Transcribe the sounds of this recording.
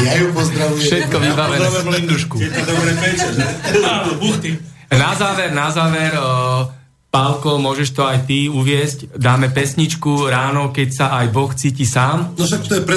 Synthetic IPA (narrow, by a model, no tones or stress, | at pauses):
jajupɔzd̪ɾaʋujɛʃɛt̪̚kkɔʋibaʋɛnlind̪uʃkukɛt̪ad̪ɔbɾɛɛt͡ʃɛɛanɔbuxt̪i | nazaːʋɛɾnazaːʋɛɾ | palkɔmʊɔʒɛʃt̪ɔajt̪iuʋɪɛscd̪aːmɛpɛsɲit͡ʃkuɾaːnɔkɛcsaajbɔxt͡siːcisaːmnɔʃak̚t̪ɔjɛpɾɛ